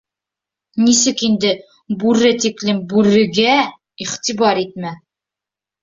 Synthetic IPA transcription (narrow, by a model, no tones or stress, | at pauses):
nisɘkind̪ɘ | bʉɾɘt̪iklɘmbʉɾɘ̆ɡæ | iχt̪ibɑɾit̪̚mæ